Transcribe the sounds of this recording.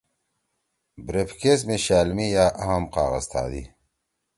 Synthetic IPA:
bɾepkesmeɕaːlmijaːʔɐɦɐmqa̰ːɣəzt̪ʰa̰ːd̪ḭ

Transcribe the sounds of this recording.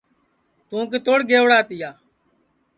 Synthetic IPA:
t̪ũːk̬eːt̪oːɽɡeːʋɽaːt̪ɪjaː

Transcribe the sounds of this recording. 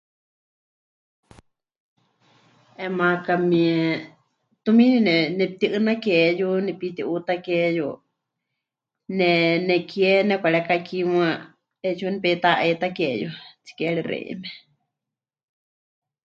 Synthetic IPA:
ɛmakamiɛ | t̪umĩninɛnɛp̚t̪iʔɨnakɛjunɛpit̪iʔut̪akɛju | nɛnɛkiɛnɛkʷaɺɛkakimwa | ɛt͡ʃunɛpɛt̪aʔet̪akɛjṵt͡si̥kɛɺirɛ̰ʔḭmɛ

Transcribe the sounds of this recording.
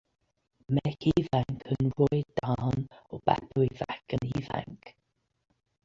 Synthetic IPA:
mɛkʰiːvaŋkʰənɹɔjd̪̥aːnɔb̥a̰pʰɹivakəniːva̰ŋk

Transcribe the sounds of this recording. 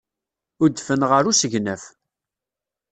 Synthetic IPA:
ʊd̪fənʁəɾusəʝnəf

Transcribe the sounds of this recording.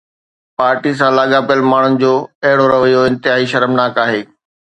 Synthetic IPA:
paːɾʈis̬ãːlaːɠapijəlmaːɳ̤ʊnɪ̆d͡ʑoːɐɦɪɽoɾɐʋəjoɪ̃nt̪ɪɦaːɦiʃɐɾəmnaːkaːɦeː

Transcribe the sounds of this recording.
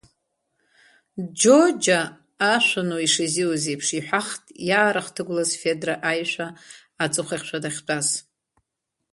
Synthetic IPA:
d͡ʒod͡ʒaː | ʃʷanoiʂɨziwazejpʰʂiħʷᶣaχtʼjaːɾaχtʰɨɡʷlazfe̞draʔajʃʷaː | t͡sʼɨχʷaχʲʃʷʰadaχʲt͡pʷʼaz

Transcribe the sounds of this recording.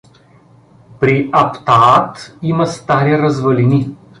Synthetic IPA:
pɾiɐpt̪aat̪imɐst̪aɾiɾɐzvɐlini

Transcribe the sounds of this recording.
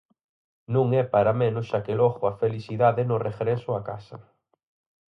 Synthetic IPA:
nũŋɛpaɾamẽnʊsʃakelɔɣʊafeliθiðaðɪnʊreɣɾɛsʊaka̰sɐ̰

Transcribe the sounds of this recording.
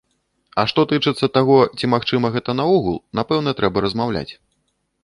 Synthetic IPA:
ɐʂt̪ɔt̪ɨt͡ʂɨt̪sːɐt̪aɣɔt͡sʲimaxt͡ʂɨmɐɣɛt̪ɐnauɣulˠnapɛwnɐt̪ɾɛbɐɾɐzmawlʲa̰t͡sʲ

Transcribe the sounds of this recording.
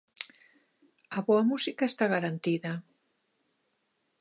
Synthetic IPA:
ɐβoamusikaest̪aɣaɾant̪iða

